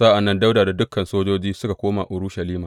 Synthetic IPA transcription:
saː˦ʔa˨nːɐ˦nda˦wdaː˨da˨dʊ˦kːɐ˨nsoː˦d͡ʒoː˦d͡ʒiː˦sʊ˦ka˨kʷoː˦ma˨ʔʊ˨ɾʊ˦ʃɐ˨liː˦maː˨

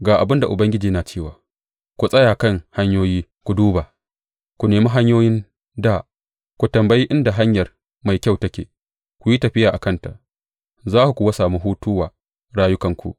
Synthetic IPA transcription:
ɡaː˨ʔa˨bɪ˦nda˨ʔʊ˨bɐ˦ŋɡʲɪ˦d͡ʒiː˨˦naː˨t͡ʃeː˦˨waː˨ | kʷu˨sʼɐ˦jaː˨kɐ˦˨ŋha˦ɲjoː˦jiː˦ | kʷu˨duː˦baː˨ | kʷu˨neː˨mi˦ɦa˦ɲjoː˦jɪ˦n | daː˦˨ | kʷu˨tɐ˨mbɐ˦ji˦ʔɪ˦nda˨ɦa˦ɲjɐ˨r | ma˨jkʲa˦˨wtɐ˦kʲḛː˨ | kʷu˨ji˦tɐ˨ɸɪ˦jaː˨ʔa˨kɐ˦˨nta̰˨ʔ | zaː˦ku˨kʷu˨wɐ˦saː˨mu˦ɦuː˦tʊ˦waː˨ | ɽaː˦jʊ˦kɐ˨ŋkʷṵ˨ʔ

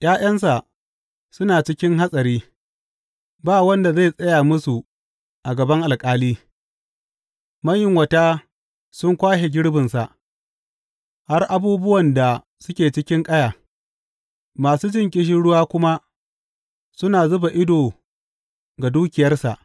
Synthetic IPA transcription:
j̰aː˦j̰ɐ˦nsa˨ʔ | sʊ˦naː˨t͡ʃɪ˦kʲɪ˦ŋɦa˦sʼɐ˨ɾiː˦ | baː˦wɐ˦nda˨za˦˨sʼɐ˦jaː˨mʊ˦su˨ | ʔa˨ɡɐ˨bɐ˦ŋʔa˨lkʼaː˦liː˦ | mɐ˦ɲjɪ˨ŋwɐ˨taː˦ | sʊ˦ŋkʷaː˦ʃe˨ɡʲɪ˦ɽbɪ˨nsa˨ʔ | ha˦rʔa˦buː˦bʊ˦wɐ˨nda˨ | sʊ˦kʲeː˨t͡ʃɪ˦kʲɪ˦ŋkʼɐ˦jaː˨ | maː˨suː˦d͡ʒɪ˦ŋkʲʼɪ˦ʃ̬ɪ˦ɽʊ˦waː˦kʷʊ˦ma˦ | sʊ˦naː˨zʊ˦ba˨ʔɪ˦doː˨ | ɡa˨duː˦kʲɪ˨jɐ˦rsa̰˨ʔ

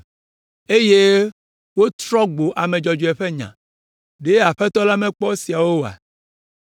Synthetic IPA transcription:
e˦je˦ | wo˦t̪ɾɔ˦ɡ͡bo˨ʔa˨mẽ˨d͡ʒɔ˨d͡ʒo˨ɛ˨ɸe˦ɲã̰˨ | ɖe˦a˨ɸɛ˦t̪ɔ˦la˦mɛ̃˦k͡pɔ˦si˨a˨wo˦˨a̰˨

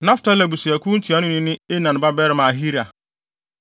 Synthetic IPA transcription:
nã˦fta˦la˨bu˨si˨æ˨kʰũ˦n̩˦tʰi˨a˨˦nʊ̃˦nɪ̃˦nɪ̃˦e˦nã˨n˨ba˦bɛː˦ɾɪ˨˦mã˨a˨ɦi˦ɾa˨

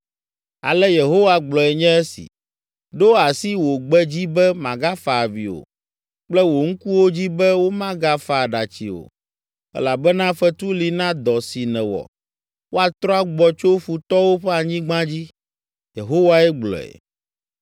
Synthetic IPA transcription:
a̰˨lɛ˦je˨ɦo˦wa˦ɡ͡blɔ˨ɛ˨ɲɛ̃˦ɛ˦sḭ˨ | ɖo˦a˨si˦wo˨ɡ͡bɛ˦d͡ʑi˦bɛ˦mã˨ɡa˦fa˨vḭ˨o̰˨ | k͡plɛ˦wo˨ŋ̩˦ku˦wo˦d͡ʑi˦bɛ˦wo˦mã˦ɡa˦fa˨ɖa˨t͡ɕḭ˨o̰˨ | ɛ̰˦la˨bɛ˦nã˦fɛ˦t̪u˦li˨nã˦d̪ɔ˨si˨nɛ̃˨wɔ̰˨ | wo˦a˨t̪ɾɔ˦a˦ɡ͡bɔ˨t͡ʃo˦ɸu˨t̪ɔ˦wo˦ɸɛ˦a˨ɲĩ˦ɡ͡bã˦d͡ʑi˦ | je˨ɦo˦wa˦ɛ˦ɡ͡blɔ̰˨ɛ̰˨

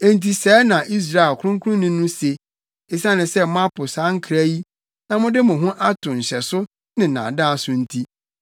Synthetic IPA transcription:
e˨n˨tʰi˨sɛː˨˦nã˨ʔi˦s̬ɾa˦˨ɛ˨kʰʊ˦ʊ̃˦ŋkʰʊ˦ʊ̃˦nːʊ̃˦nʊ̃˦se˨ | e˨sã˦nɪ̃˨sɛ˦m˦ã˦pʰʊ˨sã˦ŋ˦kʰɾæ˦ji˦ | nã˦mʊ̃˦dɪ˦mʊ̃˨ɦʊ̃˦ʔa˦tʰʊ̃˨n̩˨ɕɛ˨sʊ˦ | nɪ̃˨nã̰˨dã˦˨sʊ˦n̩˦tʰi˦

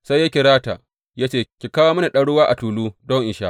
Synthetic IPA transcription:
sa˦jːa˦kʲɪ˨ɾaː˦ta̰ː˨ | jaː˦t͡ʃeː˦˨kʲi˨kaː˦waː˦m˦na˨ɗɐ˦ɽʊ˦waː˦ʔa˨tuː˨luː˦dɔ˦ŋʔɪ˨ʃaː˦ʔ

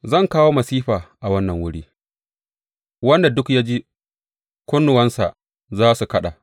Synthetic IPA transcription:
zɐ˦˨ŋkaː˦woː˦mɐ˨siː˦ɸaː˨ʔa˨wɐ˦nːɐ˨ŋwʊ˦ɽiː˦ | wɐ˦nda˨dʊ˦kjaː˦d͡ʒiː˦ | kʷʊ˦nːʊ˨wɐ˦nsa˨ | zaː˦su˨kɐ˦ɗa̰˨

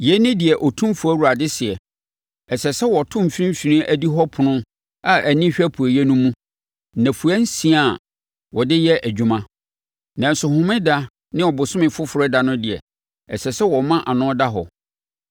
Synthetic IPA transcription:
jɛ˦nɪ̃˦dɪ˨ɛ˨ʔɔ˨tʰũ˦fʊ˨˦æ˦wu˨ɾa˨dɪ˦sɪ˨ɛ˨ | ɛ˨sɛ˨sɛ˦wɔ˨tʰʊ̃˦m̩˨fĩ˦m̩˦ɕᶣi˨nĩ˦ʔæ˦di˦ɦɔ˦pʰʊ̃˨nʊ̃˦ | a˦ʔæ˨nĩ˦ɕᶣɛ˦pʰu˨e˨jɛ˦nũ˦mũ˦ | nã˨fu˨ɛ˦n̩˦sĩ˦a˦˨ | wʔɔ˨dɪ˦jɛ˦ʔæ˨d͡ʑᶣu˨mã˦ | nã˨n̩˨sʊ˨hʊ̃˦mɪ̃˦da˦ | nɪ̃˦ɔ˨bʊ˨sʊ̃˦mɪ̃˨fʊ˦fʊ˨ɾɛ˦da˨nʊ̃˦dɪ˨ɛ̰˨ | ɛ˨sɛ˨sɛ˦wɔ˨mã˦ʔa˨nʊ̃˦da˦ɦɔ̰˨

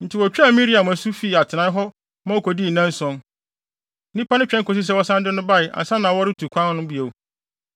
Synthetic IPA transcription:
n̩˨tʰɪ˨wɔ˨t͡ɕᶣa˦˨˦mĩ˦ɾi˦a˨mʊ̃˨æ˨su˦fi˦˨a˨tʰɪ˨nã˦ɦɔ˦ | mã˦o˦kʰɔ˨di˦˨nã˦n˦sɔ̃˦n | nĩ˦pa˦nʊ̃˦t͡ɕᶣɛ̃˦ŋ˦kʰo˨s̬i˦s̬ɛ˦wɔ˦sã˦ndɪ˦nʊ̃˦ba˦˨ɪ˨ʔa̰˨sã˦nã˨wɔ˦ɾɪ˦tʰu˨kʷʰã˦n˦nʊ̃˦bi˨e˨w

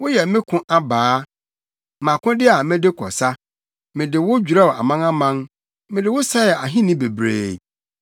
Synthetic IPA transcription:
wʊ˦jɛ˨mɪ̃˦kʰʊ̃˦ʔa˦baː˨˦ | mã˨kʰʊ̃˦dɪ˦a˨mɪ̃˦dɪ˦kʰɔ̰˨sa˦ | mɪ̃˨dɪ˨wʊ˦d͡ʑᶣu˨ɾa˦˨a̰˨mã˦ŋa˦mã˦ŋ | mɪ̃˨dɪ˨wʊ˦sa˦ɛ˨a˨ɦĩ˦nɪ̃˦be˨bɾḛː˨

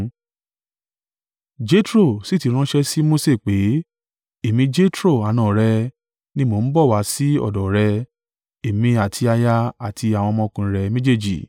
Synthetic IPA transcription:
d͡ʒe˦tɾo˦˨si˦˨ti˨˧˦ɾ̃ã˦ʃɛ˧si˦mo˦se˦˨k͡pe˨˦ | e˦˨mĩ˧˦d͡ʒe˦tɾo˦˨a˨nãː˨ɾɛ˧ | nĩ˦mo˨˧n̩˦bɔ˦˨wa˨˦si˦ɔ̰˦˨dɔ˨ɾɛ˧ | e˨mĩ˧a˨tʰi˧a˧ja˧a˦˨tʰi˧a˨w̃ɔ̃˧mɔ̃˧˦kũ˧˦˧ɾɛ˧mẽ˦d͡ʒe˦˨d͡ʒḭ˨

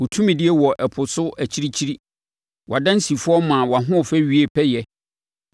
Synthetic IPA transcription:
wʊ˨tʰũ˦mĩ˨dɪ˦ɛ˦wɔ˨ʔɛ˨pʰʊ˨sʊ˦æ˨t͡ɕʰi˦ɾi˦t͡ɕʰi˦ɾi˦ | wʔa˨dã˦n˦si˨fʊ˦ɔ˦mã˨wa˨ɦʊ̃˦˨fæ˦ɥi˦e˨pʰɛ˦jɛ˦

